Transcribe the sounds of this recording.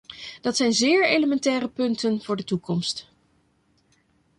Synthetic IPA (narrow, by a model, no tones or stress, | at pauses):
d̥ɑtsɛjnzɪːɹejləmɛntɛːɾəpɵntənvʊːɹdətukɔmst